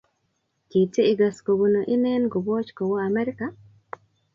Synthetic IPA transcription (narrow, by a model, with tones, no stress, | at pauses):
ki˨te˦ɪ˨ɡa˨sko˨ɡu˨no˨ʔi˦nɛ˦nɡo˨bɔ˦t͡ʃko˨wo˦a˨mɛ˦ɾɪ˦ka˦